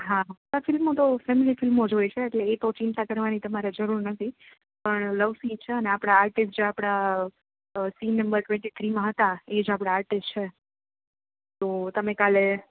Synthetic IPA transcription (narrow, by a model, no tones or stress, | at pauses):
ɦatafɪlmot̪ofemilifɪlmod͡ʒojt͡ʃʰeːʈleːt̪ot͡ʃint̪ʰãkəɾʋanit̪əmaɾed͡ʒəɾuɾnət̪ʰi | pəɳləʋsĩt͡ʃʰeəneapɽ̃aaɾʈɪsʈ̚d͡ʒeapɽ̃a | sinːəmbəɾʈʋɛ̃ɳʈit̪ʰɾimãɦət̪aed͡ʒapɽ̃aːɾʈɪst͡ʃʰe | t̪ot̪əmẽkale